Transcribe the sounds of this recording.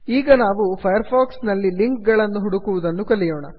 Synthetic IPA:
iːɡɐnaːʋupʰɐjɐɾpʰaːksnɐlːiliŋkɡɐɭɐnːuɦuɽukuʋud̪ɐnːukɐlːijoːɳɐ

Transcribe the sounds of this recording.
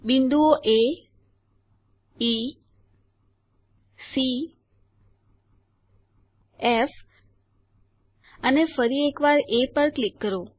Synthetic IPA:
bind̪uoʔe | si | ef | ənefəɾiekʋaɾepəɾklikːəɾo

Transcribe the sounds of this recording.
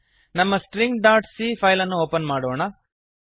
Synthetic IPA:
nɐmːɐsʈɾiŋɡɖaːɾʈsiːpʰɐjlɐnːuoːpɐnmaːɽoːɳɐ

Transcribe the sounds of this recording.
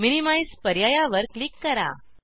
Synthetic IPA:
minimajspəɾjajaʋəɾklikːəɾa̰

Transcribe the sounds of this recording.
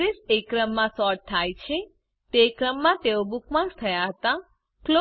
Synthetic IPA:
ɾisekɾəmːãsɔʈ̚t̪ʰːajt͡ʃʰe | t̪ekɾəmːãt̪eobukmãst̪ʰəjaɦət̪a | klo

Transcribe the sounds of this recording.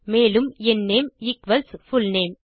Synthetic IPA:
meːlɯmɛnːeːmɪkʋɐlsfʊlneːm

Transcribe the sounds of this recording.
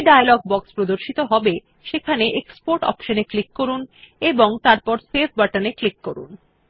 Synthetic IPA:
ɖajalɔɡ̚bɔkspɾod̪oɾʃit̪oɦɔbe | ʃekʰaneʔekspoɾʈɔ̰pʃoneklikːoɾuneboŋt̪aɾpɔɾsebbaʈaneklikːoɾṵn

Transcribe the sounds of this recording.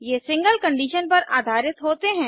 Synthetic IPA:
jeːsɪ̃ŋɡəlkɐ̃ɳɖiːʃənpɐɾaːd̪ʱaːɾɪt̪ɦoːt̪eɦɛ̃ː

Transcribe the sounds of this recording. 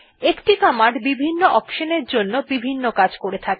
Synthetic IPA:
ekʈikamaɖbibʱinːoʔɔkʃoneɾd͡ʑonːobibʱinːokad͡ʑkoɾet̪ʰake

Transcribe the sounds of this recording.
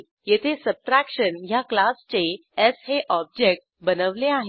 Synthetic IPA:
jet̪ʰesəb̚ʈɾækʂənjaklast͡ɕe | esɦeʔɔb̚d͡ʑek̚ʈ | bənəʋleaɦe

